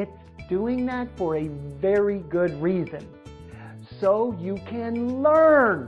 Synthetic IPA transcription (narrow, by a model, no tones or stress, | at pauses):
ɪtsd̥uɪ̃ŋðætfə˞ɨvɛɹiɡʊd̚ɹizɨ̰̃n | soʊjɨkʰɨ̃nlɜ̃˞n